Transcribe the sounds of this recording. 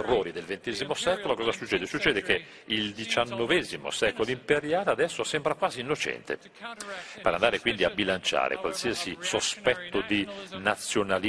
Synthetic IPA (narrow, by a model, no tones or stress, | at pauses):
rːoːɾid̪elvent̪ɛːzimosɛkolokɔːzasut͡ʃːɛːd̪esut͡ʃːɛːd̪eke | ild̪it͡ʃanːovɛːzimo̰sɛːkoloimpeɾjaːlead̪ɛsːosɛmbɾakwaːziːnːot͡ʃɛ̰nt̪ḛ | peɾand̪aːɾekwind̪iabilant͡ʃa̰ːɾḛkwa̰lsiasisospɛt̪ːod̪inat̪sːjonal